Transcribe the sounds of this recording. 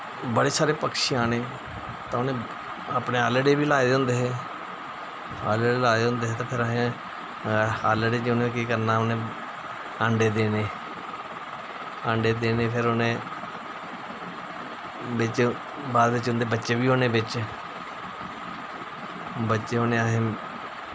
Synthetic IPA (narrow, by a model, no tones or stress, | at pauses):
bəɽeːsaːɾeːpəkʃeːaːɽeː | t̪ãːʊnẽː | apneːaːləɖeːʋiːlaːed̪õːnd̪eːɦɛː | a̰ːleɖeːlaːd̪ɦõːnd̪eːɦɛːt̪ãːpʰɪɾəɦẽ | aːleɖeːd͡ʒʊnẽkiːkəɾnaːʊnẽː | əɳɖeːd̪eːneː | əɳɖeːd̪eːneːpʰɪɾʊnẽː | bɪt͡ʃ | baːd̪ʋɪt͡ʃʊnd̪eːbətːʃeːʋiːɦoːneːbɪt͡ʃ | bətːʃeːonẽːaɦẽː